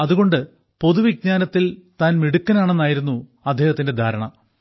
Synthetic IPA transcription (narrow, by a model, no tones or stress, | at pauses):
ɐðuɣo̞ɳɖɨ | po̞ðuʋiɡ̚ɲaːnɐt̪ːilt̪aːnmiɽukːɐnaːɳe̞nːaːjiɾunːuɐd̪ʱːjeːhɐt̪ːinde̞d̪ʱaːɾɐɳɐ̰